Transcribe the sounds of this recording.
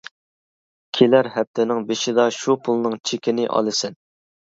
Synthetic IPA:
kʲʰilæɾɦɛp̚t̪ʰɪnɪŋbɪʃɪd̪ɑʃupʰulˠnɨŋt͡ʃʰekʲɪnɪʔɑ̰lˠɨsɪn

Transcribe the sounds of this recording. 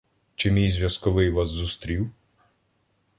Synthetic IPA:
t͡ʃɪmʲijzʲʋʲjɐskɔʋɪjʋɑzːust̪ɾʲiw

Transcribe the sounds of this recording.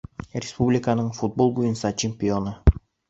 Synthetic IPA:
rʲespublʲɪkanɯɴfut̪̚bo̞lˠbujunsɑt͡ʃʰemʲpʲio̞nu

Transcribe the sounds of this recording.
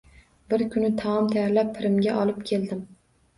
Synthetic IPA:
bɪɾkʲʰʊnɪt̪ʰaɒmt̪ʰajaɾlapʰːɪɾɪmɡʲaʔɒlˠɪpkʲʰe̞ld̪ɪm

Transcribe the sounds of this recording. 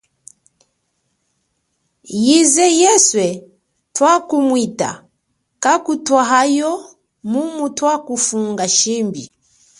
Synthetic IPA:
jizɛjɛswɛ | twakumwita̰ | kakutwaɦajɔ | mumutwakufuŋɡaʃimbḭ

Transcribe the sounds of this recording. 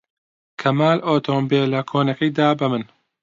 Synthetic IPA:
kʰɐmaːlʔoːt̪ʰoːmbeːlɐkʰoːnɐkɐjd̪aːbɐmɨn

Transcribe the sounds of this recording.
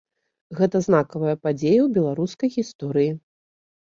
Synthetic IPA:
ɣɛt̪ɐznakɐvɐjɐpad͡zʲejɐwbʲɛlˠaɾuskɐjɣʲist̪ɔɾɨji

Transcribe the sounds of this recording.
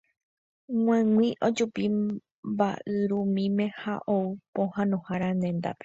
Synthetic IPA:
ŋ̃ãŋwĩʔod͡ʒupi | ba̰ʔɨɾumĩmẽ̞haʔoupõhãnõhaɾanẽ̞nd̪a̰pe̞̥

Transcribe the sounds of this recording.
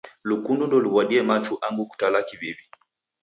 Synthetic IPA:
lukundundɔliβwaɗiɛmat͡ʃuʔaŋɡuku̥talakivibi

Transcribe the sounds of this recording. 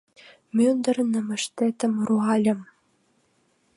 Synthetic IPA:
mʲønd̪ə̆rnə̆mɘ̆ʃt̪et̪ə̆mruɑlʲɤ̆m

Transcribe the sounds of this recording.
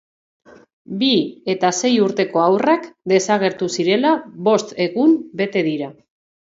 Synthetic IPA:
bie̞t̪ase̞juɾt̪e̞ko̞awrakd̪e̞saɣ̞e̞ɾt̪usiɾe̞laβo̞st̪e̞ɣumbe̞t̪e̞ðiɾa

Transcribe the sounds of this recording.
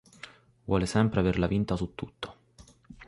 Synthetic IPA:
vwʔɔ̰ːlesɛmpɾeaverlavint̪asut̪ːut̪ʰːo̥

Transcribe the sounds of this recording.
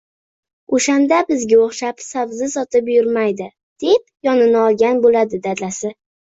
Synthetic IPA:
oʃand̪abɪzɡʲaoχʃapsavzɪsɒt̪ʰɪpjʊɾmajd̪ɪ | d̪̥e̞p̚jɒnɪnɪɒlˠɡʲanbolad̪ɪd̪ad̪lasɪ

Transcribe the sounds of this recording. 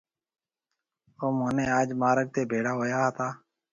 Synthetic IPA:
oːmoːnẽːaːd͡ʒmaːɾəɡ̚t̪eːbʱeːɽaːɦoːjaːɦt̪ʰaː

